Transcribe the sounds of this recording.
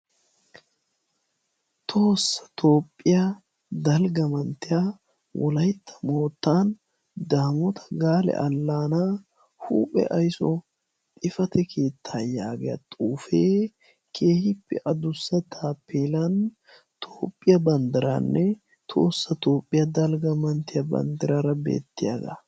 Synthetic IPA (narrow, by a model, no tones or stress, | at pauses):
t̪ʰo̞ːsːɐ̥t̪ʰo̞ːpʼːɪja | d̪ɐlɡɐmɐnt̪ɪja | wɔlɐjt̪ʰːɐ̥mo̞ːt̪ːaːn | d̪aːmɔt̪ʰɐ̥ɡaːlɛ̰ʔɐlːaːnaː | hṵːpʼɛ̰ʔɐjsɔ | t̪ʼɪfɐt̪ɛkʰeːt̪ʰːaːjaːɡɛɐ̰t̪ʼuːfeː | kʰe̞ːhɪpːɛʔɐd̪ʊsːɐt̪ʰaːpːeːlɐn | t̪ʰoːpʼːɪjɐbɐnd̪ɪɾa̰nːɛ | t̪ʰo̰ːsːɐt̪o̞ːpʼːɪjɐd̪ɐlɡɐmɐnt̪ɪjɐbɐ̰nd̪ɪɾaɾɐbḛːt̪ːɪjaːd̪ɐ